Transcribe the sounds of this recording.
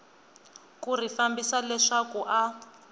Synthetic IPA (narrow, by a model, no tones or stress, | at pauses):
kur̤ifambisalɛʂakuʔa